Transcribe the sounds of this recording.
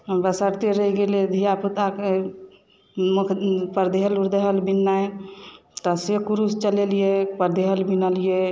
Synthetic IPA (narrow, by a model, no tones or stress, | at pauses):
bəsəɾt̪eɾəɦiɡeled̪ʱijaput̪ake | mukʰpəɾd̪ʱeɦəluɾd̪eɦəlbinːaj | t̪ɔsekuɾust͡ʃəlelijepəɾd̪eɦəlbinəlije